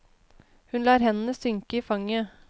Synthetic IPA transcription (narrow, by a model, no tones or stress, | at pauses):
hʉnlæːɾhɛnən̩əsʏŋkəiːfɑŋə